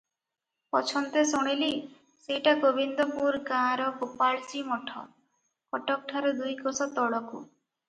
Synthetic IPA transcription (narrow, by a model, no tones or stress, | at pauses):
pɔt͡ʃʰɔnt̪esuɽ̃ili | sejʈaɡobind̪ɔpuɾɡãɾɔkopaɭsimɔʈʰɔ̰ | kɔʈɔk̚ʈʰaɾɔd̪ujkosɔt̪ɔɽɔkṵ